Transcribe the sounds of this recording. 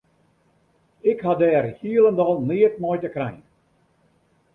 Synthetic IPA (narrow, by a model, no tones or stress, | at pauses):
ɪkhɦadɛːrhiəlˠəndɑlˠniət̚mɔjtəkrɛjn